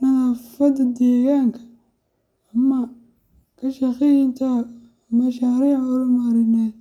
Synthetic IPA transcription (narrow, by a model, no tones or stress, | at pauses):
nɐɣafɐd̪ɐd̪ɛːɣaːŋkʰɐ̥ | ɐmɐ | kʰɐʃɐxɪjɪnt̪ʰa | mɐʃaːɾiːʕʊlɐmaɾɪnɛ